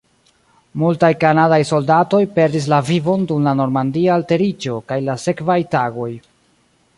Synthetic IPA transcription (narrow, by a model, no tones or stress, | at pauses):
multajkanadajso̞ldato̞jpe̞ɾdis̬lavivo̞ndumlano̞ɾmandialte̞ɾid͡ʒo̞kajlase̞kvajtaɡo̞j